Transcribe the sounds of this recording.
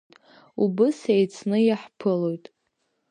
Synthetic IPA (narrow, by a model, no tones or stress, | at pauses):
tʼ | ubɨsejt͡sʰnɨjaħpʰɨlo̞jtʼ